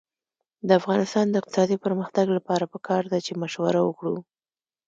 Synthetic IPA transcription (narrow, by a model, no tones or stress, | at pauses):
d̪əafɣɑnɪst̪ɑnd̪əɪq̚t̪ɪ̥sɑd̪ipəɾməxt̪aɡlapɑɾapəkʰɑɾd̪at͡ʃemaʃwaɾawəkɽu